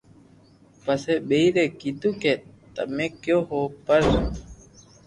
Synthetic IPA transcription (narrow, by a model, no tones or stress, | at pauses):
pəseːɓeːiːɾeːkiːt̪ũːkeːt̪ə̰mẽːkjoːɦoːpəɾ